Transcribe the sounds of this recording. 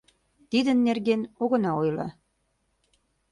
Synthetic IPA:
t̪id̪ənːerɣenoɣɤ̆nɑojlɑ̰

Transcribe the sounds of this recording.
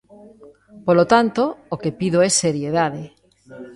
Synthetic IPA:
polot̪ant̪oːkepiðoɛseɾjeðaðe

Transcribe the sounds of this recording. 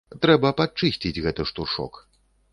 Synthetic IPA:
t̪ɾɛbɐpat͡ʂɨsʲt͡sʲid͡zʲɣɛt̪ɨʂt̪uʂɔ̰k

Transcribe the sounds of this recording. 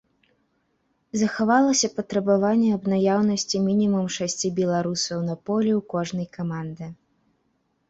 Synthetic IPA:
zɐxavalˠɐsʲɐpɐt̪ɾɐbavanʲːɛɐbnajawnɐsʲt͡sʲimʲinʲimumʂasʲt͡sʲibʲɛlˠaɾusɐwnɐpɔlʲiwkɔʐnɐjkamand̪ɨ

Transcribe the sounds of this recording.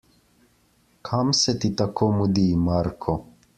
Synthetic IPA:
kʰamsɛt̪it̪akʰoːmud̪iːmaɾkʰɔ

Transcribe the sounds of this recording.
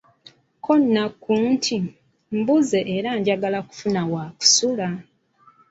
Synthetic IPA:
konːakːuntʰi | mbuze̞ʔeɾaɲɟaɡalaku̥funawaːku̥sula

